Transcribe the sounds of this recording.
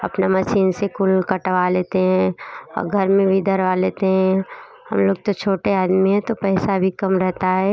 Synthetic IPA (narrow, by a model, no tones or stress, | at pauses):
ɐpnamɐsiːnsekʊlkəʈʋaleːt̪eɦɛ̃ɔ̰ːɾɡʱɐɾmẽbid̪ʱəɾʋaleːt̪eɦɛ̃ | hɐ̰mloːɡ̚t̪ot͡ʃʰoːʈeaːd̪miɦɛ̃t̪opɛːsabʱikɐmɾɛɦt̪aɦɛː